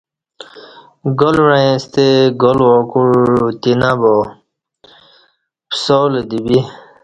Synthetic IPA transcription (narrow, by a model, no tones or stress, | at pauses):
ɡolɾaẽst̪eɡolwɔkuɻt̪inabɔ | pʰsɔled̪ibi